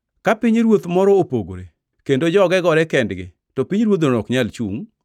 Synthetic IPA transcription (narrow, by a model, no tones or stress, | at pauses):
kapiɲɾwot̪mɔɾɔopoɡo̰ɾḛ | kendod͡ʒɔɡɛɡɔɾɛkɛndɡɪ̰ | tɔpiɲɾwot̪̬ɔkɲalt͡ʃṵŋ